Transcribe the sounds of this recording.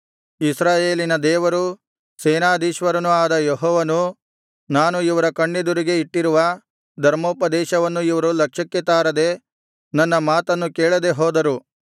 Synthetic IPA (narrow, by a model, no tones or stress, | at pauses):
isɾaːjeːlinɐd̪ɛːʋɐɾu | sɛːnaːd̪iːʃʋɐɾɐnuaːd̪ɐjɔɦɔːʋɐnu | naːnuiʋɐɾɐkɐɳːed̪uɾiɡe̞iʈːiɾuʋɐ | d̪ʱɐɾmoːpɐd̪ɛːʃɐʋɐnːuiʋɐɾulɐkʂɐkːet̪aːɾɐd̪e̞ | nɐnːɐmaːt̪ɐnːukeːɭɐd̪e̞ɦoːd̪ɐɾu